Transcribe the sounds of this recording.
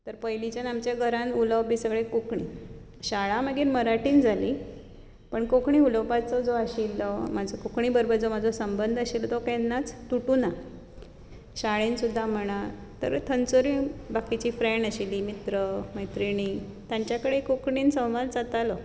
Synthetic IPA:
t̪əɾpəjlit͡ɕənamt͡ɕjaɡʱəɾãnuləwbisəɡɭekokɳi | ɕaɭaməɡenməɾaʈiːnd͡zʱali | pəɳkokɳiuləwpat͡sɔd͡zoaɕilːɔmad͡zʱɔkokɳiːbəɾbəɾd͡zom̤ad͡zʱɔsəmbənd̪ʱəɕilt̪ɔkenːat͡st̪uʈuːna | ɕaɭensud̪ʱːam̤əɽ̃a | t̪ə̰ɾt̪ʰənt͡soɾibakit͡ɕiːfɾɛɳɖəɕiliːmit̪ɾəməjt̪ɾiɳ̃iː | t̪jaɲt͡ɕjakəɽekokɳiːnsə̃w̃ʋalt͡sat̪alɔ

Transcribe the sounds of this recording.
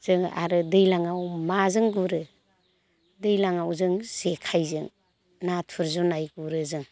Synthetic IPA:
z̥ɯŋa̰ɾɯdɯjlaŋawmazɯŋɡuɾɯ | dɯjlaŋawzɯŋz̥ekʰajzɯŋ | natʰɯɾzunajɡuɾɯzɯŋ

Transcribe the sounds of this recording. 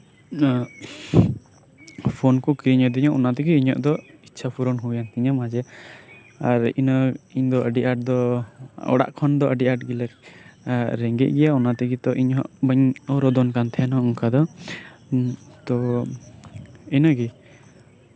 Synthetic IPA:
pʰɔnkɔkɾiɲɔd̪iɲɔʔɔnat̪ɛɡiiɲɔ̰ʔd̪ɔitːʃʰapʰuɾɔnɦujant̪iɲamad͡ʒɛ | aɾḭnɔiɲd̪ɔʔəɖiʔaʈ̚d̪ɔɔ̰ɽa̰ʔkʰɔnd̪ɔʔəɖiʔaʈɡilɛk̚ | ɾɛŋɡɛ̰ʔ̚ɡɛjaɔnat̪ɛɡit̪ɔʔiɲɦɔʔbəɲɔɾɔd̪ɔnkant̪ʰɛɛnɔuŋkʰad̪ɔ | t̪ɔ | inɔɡi

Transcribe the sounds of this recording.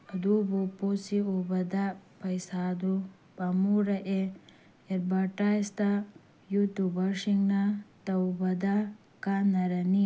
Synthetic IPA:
ɐd̪ubuposiubɐd̪ɐpɐjsaːd̪u | pɐmuːɾɐʔe | eɾbɐʈaːjst̪a | jut̪ubɐɾʂiŋnat̪ɐwbɐd̪ɐ | kanɐɾɐni

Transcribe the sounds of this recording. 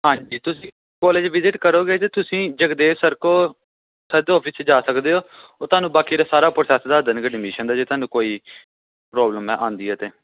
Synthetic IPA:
ɦãːɲd͡ʒiːt̪ʊsĩː | kɔːleːd͡ʒʋɪzɪʈkəɾoːɡeːt̪eːt̪ʊsĩːd͡ʒəkd̪eːsəɾkoː | səɾd̪ɔːpʰɪst͡ʃed͡ʒaːsəkd̪eːoːoːt̪ʊaːnũːbaːkiːd̪aːsaːɾaːpɾsɛːsd̪aːd̪ənɡeːɖɪmiːʃənd̪aːd͡ʒeːt̪ʰaːnũːkoːiː | pɾɔːbləmɛ̃ːʔãːnd̪iːɦɛːt̪eː

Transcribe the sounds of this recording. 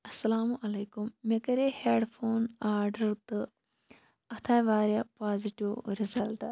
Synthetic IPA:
ɐsːɐlaːmuʔɐlejkumːekɐɾeheːɖfʰoːnaːɾɖɐɾt̪ɨ | ɐt̪ʰaːjʋaːɾjɐpaːziʈːiʋɾizɐlʈɨ

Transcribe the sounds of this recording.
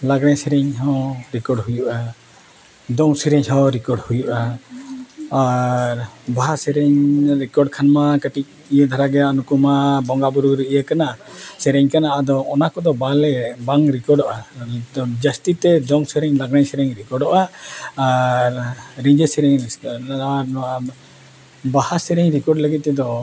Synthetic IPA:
laɡɽaɲsɛɾɛɲɦɔ̃ɾikɔɾɖɦujuʔa | d̪ɔŋsiɾɛɲɦɔ̃ɾikɔɾɖhujuʔa | aɾbaɦasɛɾɛɲɾikɔɾɖkʰanmakəʈik̚ | ijd̪ʱaɾaɡɛanukumabɔŋɡabuɾuɾiʔijakanaʔasɛɾɛɲkanaʔad̪ɔːnakɔd̪ɔbalɛbaŋɾikɔɾɖɔʔa | d͡ʒast̪it̪ɛd͡ʒɔŋsɛɾɛɲlaɡnaɲsɛɾɛɲɾikɔɾɖɔʔaː | ɾːiɲd͡ʒesɛɾɛɲaɾa | bahasɛɾɛɲɾikɔɾɖləɡit̪̚t̪ɛd̪ɔ

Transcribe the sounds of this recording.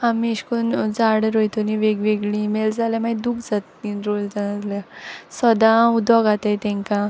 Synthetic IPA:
amiɕkond͡zaɽəɾojt̪oniʋeɡʋeɡɭĩmeld͡zaljamad̪ukd͡zat̪iɾold͡zanat̪ljasɔd̪aud̪ɔɡat̪ajt̪ɛ̃ŋkã

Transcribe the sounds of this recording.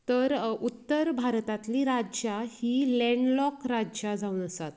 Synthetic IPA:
t̪əɾut̪ːəɾbʱaɾt̪at̪liɾad͡ʑjahilɛ̃ɳɖlɔkɾad͡ʑad͡zauːnəsat̪

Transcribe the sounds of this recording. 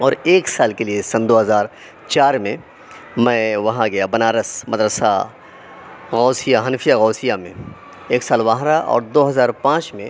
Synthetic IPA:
ɔːɾeːksaːlkeliesɐnd̪oːɦɐzaːɾ | t͡ʃaːɾmẽ | mɛ̃ːʋɐɦãɡɐjabɐnaːɾəsmɐd̪ɾəsa̰ | ɣɔːsijaɦɐnfʰijaɣɔːsijamḛ̃ | eːksaːlʋãːɦɾaʔɔ̰ːɾd̪oːɦɐzaːɾpãːt͡ʃmẽ

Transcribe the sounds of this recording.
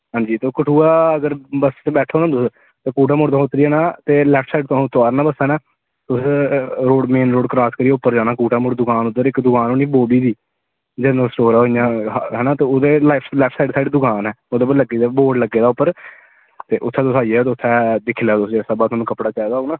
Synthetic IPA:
ɦãːɲd͡ʒiːt̪oːkəʈʰuːaːəɡəɾbəsbɛːʈʰːaɦoːnãːd̪ʊs | t̪eːkuːʈ̬aːmʊɽd̪̃ːɦot̪ɾiːɛːnaːt̪eːlɛːpʰsaːɪɖt̪oat̪ʰːoaːɾnãːbəsɛːnaː | t̪ʊsɾoːɖmeːnɾoːɖkɾaːskəɾiːeʊpːəɾd͡ʒaːnaːkuːʈaːmʊɽd̪ʊkʰaːnʊd̪əɾɪkd̪ʊkʰaːnoːniːboːbiːd̪iː | d͡ʒɛːnəlsʈoːɾaːɦoijãːɦɛːnaːt̪eːoːd̪eːlapʰlɛːpʰsaːɪɖsaːɪɖd̪ʊkʰaːnɛːoːd̪eːbələɡiːd̪aboːɖləɡːeːd̪aːʊpːəɾ | t̪eːʔʊt̪ʰːɛ̃ːt̪ʊsaːiːɛt̪ːʊt̪ʰːɛːd̪ɪkʰːlaːt̪ʊsd͡ʒesəbaːt̪ʊaːnũkəpɽaːt͡ʃɛːd̪aːoːnaː

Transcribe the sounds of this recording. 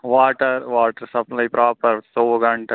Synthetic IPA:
ʋaːʈɐɾʋaːʈɐɾsɐplɐjpɾʔaːpɐɾsoːʋɐɡɐɳʈɐ

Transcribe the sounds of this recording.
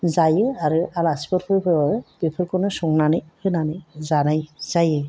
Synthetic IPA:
zajɯaɾɯalasi̥bɔɾpʰɯjpʰɯab̥ipʰɯɾkɔnɯsɔŋnanɯjhɯnanɯjzanajz̥ajɯ

